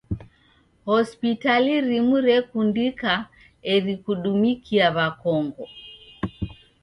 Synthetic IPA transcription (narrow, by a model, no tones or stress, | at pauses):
hɔspitaliɾimuɾɛkundika | ɛɾikuɗumikiaβakɔŋɡɔ